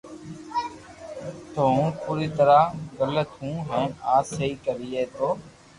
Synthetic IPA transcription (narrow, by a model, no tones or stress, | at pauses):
t̪oːũːpuːɾiːt̪əɾaːɡələt̪ɦũːɦɛ̃ːaːsəiːkəɾiːeːt̪oː